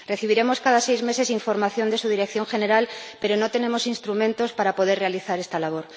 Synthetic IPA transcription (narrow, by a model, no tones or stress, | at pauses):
re̞θiβ̞iɾe̞mo̞skaðasejzme̞se̞siɱfo̞ɾmaθjo̞nd̪e̞suð̞iɾek̚θjo̞ŋxe̞ne̞ɾalpe̞ɾo̞not̪e̞ne̞mosinst̪ɾumẽ̞nt̪o̞spaɾapo̞ð̞e̞re̞aliθaɾe̞st̪alaβ̞o̞ɾ